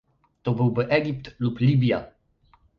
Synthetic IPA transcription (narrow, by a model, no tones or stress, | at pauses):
t̪ɔbɘwbɘʔɛɡʲipt̪luplʲibʲja̰